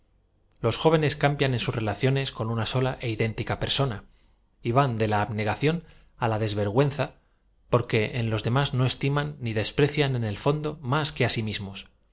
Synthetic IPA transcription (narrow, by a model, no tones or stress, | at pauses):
lo̞sxo̞β̞e̞ne̞skambjane̞nsuzre̞laθjone̞sko̞nunaso̞laʔe̞iðe̞nt̪ikape̞ɾso̞na | iβ̞and̪e̞laːβne̞ɣ̞aθjo̞n | alaðe̞zβe̞ɾɣ̞we̞nθa | po̞ɾke̞ʔenlo̞zðe̞mazno̞e̞st̪imanːiðe̞spɾe̞θjane̞ne̞lfo̞nd̪o̞maske̞asimizmos